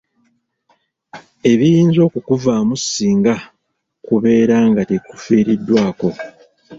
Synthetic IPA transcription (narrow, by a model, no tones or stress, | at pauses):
e̞βijiːnzo̞ːkukuvaːmusiːŋɡa | kuβe̞ːɾaːŋɡateku̥fiːɾidːwaːko̞